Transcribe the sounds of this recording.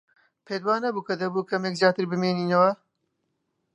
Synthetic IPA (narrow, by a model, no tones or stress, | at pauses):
pʰeːd̪waːnɐbuːkɐd̪ɐbuːkɐmekzjaːt̪ɨɾbɨmeːniːnɐwɐ